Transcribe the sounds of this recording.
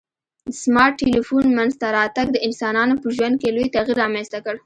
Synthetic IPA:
d̪əsmɑɾʈːelifunmanzt̪aɾɑt̪aɡ̚d̪əɪnsɑnɑnopəʒwand̪̚kelojt̪aɣiɾːɑmenst̪akəɽ

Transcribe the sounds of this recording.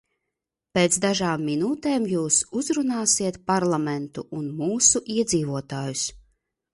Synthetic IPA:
peːt̪sd̪aʒaːmːinuːt̪eːmjuːsuzɾunaːsiɛt̪paɾlˠamɛnt̪uʔunmuːsuʔiɛd̪ziːvuɔt̪aːjus

